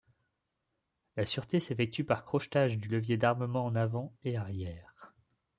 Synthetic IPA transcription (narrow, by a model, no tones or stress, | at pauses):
lasyʁt̪esefɛk̚t̪ypaʁkχɔʃt̪aʒd̪yləvjed̪aʁməmɑ̃ɑ̃navɑ̃eaʁjɛːʁ